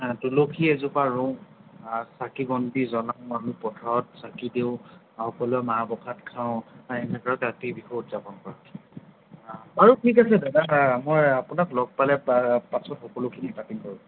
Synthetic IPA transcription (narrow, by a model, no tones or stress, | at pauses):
dulokʰiɛzupaɹɔ̃ | sakiɡɔnbizɔlamanupɔdʰʱɔt̚sakideʊ̃ | hɔkɔluɛmabɔkʰatkʰaʊ̃ɛnɛkaɹɔkatibixɔutzapɔnkɔɹatʰ | baɹutʰik̬asɛdadamɔjapunaklɔɡ̚palɛpasɔtxɔkɔlokʰinipapinkɔɹũ